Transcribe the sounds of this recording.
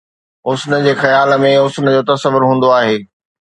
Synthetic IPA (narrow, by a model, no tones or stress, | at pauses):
ɦʊsnə̆d͡ʑeːxɐjaːlə̆mẽʊsnəd͡ʑoːt̪ɐsəʋʊɾɦũːn̆d̪oaːɦeː